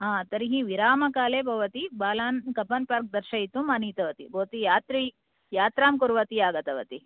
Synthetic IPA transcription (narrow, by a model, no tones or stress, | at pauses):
ɦãːt̪ɐɾiɦiʋiɾaːmɐkaːleːbʱɐʋɐt̪ibaːlaːnkɐpɐnpaːɾk̚d̪ɐɾʃɐit̪umɐniːt̪ɐʋɐt̪ḭbʱɐʋɐt̪ijaːt̪ɾi | jaːt̪ɾaːmkuɾʋɐt̪iaːɡɐt̪ɐʋɐ̰t̪i